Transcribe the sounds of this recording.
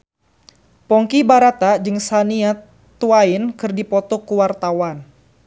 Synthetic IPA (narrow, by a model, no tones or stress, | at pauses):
pɔŋkibaɾat̪ad͡ʒɨŋsania | t̪uaɪnkɨrdipɔt̪ɔkuwart̪awan